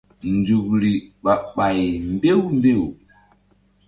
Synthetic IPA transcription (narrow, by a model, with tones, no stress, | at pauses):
nd͡zu˨k̚ɾi˨ɓa˨ɓa˨jmbe˦wmbe˦˨w